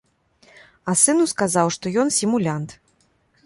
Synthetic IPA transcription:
ɐsɨnuskazawʂt̪ɔjɔnsʲimulʲant̪

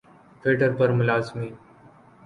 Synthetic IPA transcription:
ʈ̪ʰʋiʈəɾpəɾmʊlaːzmiː

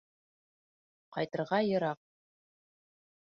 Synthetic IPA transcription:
qɑ̰jt̪ɤ̆ɾʁɑjɤ̆ɾɑq̚

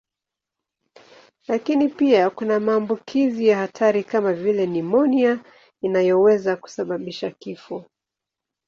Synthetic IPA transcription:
lakinipiakunamaːmbukʰizijahatʰaɾikamavilɛnimɔnia | inajɔwɛzaku̥saɓaɓiʃakifɔ

